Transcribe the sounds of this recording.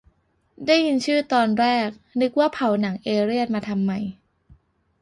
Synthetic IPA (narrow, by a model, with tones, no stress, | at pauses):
daː˥˩ji˧nt͡ɕʰɯː˥˩t̪ɔː˧nɾɛː˥˩k̚nɯ˦˥k̚waː˥˩pʰa˨˩˦wna˩˦ŋʔeː˧ɾi˥˩ən̚maː˧t̪ʰa˧mːa˧j